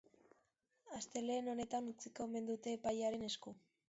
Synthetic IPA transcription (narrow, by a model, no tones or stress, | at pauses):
ast̪e̞leːno̞ne̞t̪anut͡siko̞me̞nd̪ut̪e̞ːpajaɾe̞ne̞sku